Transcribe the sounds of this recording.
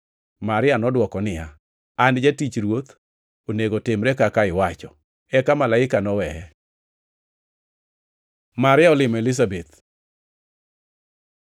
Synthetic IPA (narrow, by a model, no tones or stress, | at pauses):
maɾɪanɔdwɔkɔnɪja | and͡ʒatit͡ʃɾwot̪ | oneɡotɪmɾɛkakaɪwat͡ʃɔ | ɛkamalaɪkanɔwɛɛ | maɾɪaɔlɪmɛlɪs̬abet̪̚